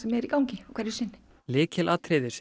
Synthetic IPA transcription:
sɛmjɛɾikawŋcɪɔkʰvɛɾɪsɪnːɪ̥ | lɪːcʰɛlʔaːt̪ʰɾeːðɪɾs

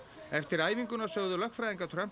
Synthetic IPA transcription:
ɛft̪ɪɾaːjviŋkʏnasjœːɣðʏlœhkt̪fɾajðiŋkat̪ʰɾam̥

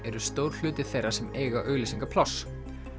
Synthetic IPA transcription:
ɛɾʏst̪owɾ̥l̥ʏːt̪ɪ̥θejrḁsɛmeːjɣaʔœɥɣlɪsiŋkapʰlaws

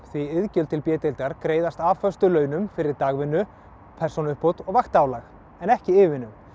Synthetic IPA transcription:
θviɪðcʏlt̪ʰɪlpjɛːt̪ɪlt̪aɾkɾeːjðast̪aːvfœst̪ʏlœːɥnʏmfɪɾɪɾt̪aːɣvɪnːʏ | pʰɛrsɔnʏhpot̪ɔɣvaxt̪aːwlax | ɛnɛhcɪɪːvɪnːʏm

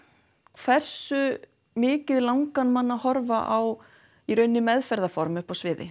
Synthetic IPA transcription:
kʰvɛr̥sʏ | mɪːcɪðlawŋkanmanːahɔɾvaʔaw | iɾœɥnːɪmɛðfɛɾðafɔɾmʏhpawsvɪːðɪ̰

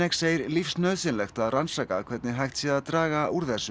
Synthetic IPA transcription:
ɛkseːjɾlifsnœːðsɪnlɛxt̪aðransaːkakʰvɛɾt̪nɪɦajxt̪sjɛðaðt̪ɾaːɣauɾðɛsʏ

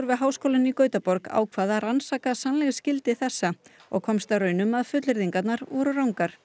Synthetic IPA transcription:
ɾvɪðɦaːwskoːlɪnikœːɥt̪apɔɾka̰ːwkʰvaːðaransaːkasanlɛɣscɪlt̪ɪθɛsːa | ɔ̰ɣkʰɔmst̪aɾœːɥnʏmaðfʏt̪lɪɾðiŋkat̪naɾvɔɾʏrawŋkaɾ̥

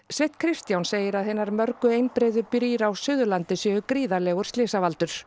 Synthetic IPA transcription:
svɪht̪kʰɾɪst̪jawnseːjɪɾaðhejnːaɾmœɾkʏejnpɾɛːðʏpɾiːɾawsʏːðʏlant̪ɪsœːɣʏkɾiːðalɛːɣʏɾ̥st̪lɪːsavalt̪ʏɾ̥

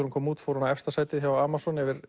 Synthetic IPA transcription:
ɾunkʰɔːmuːt̪fowɾɔnaɛfst̪asaːjt̪ɪðçjawaːmasɔnɛvɪɾ̥

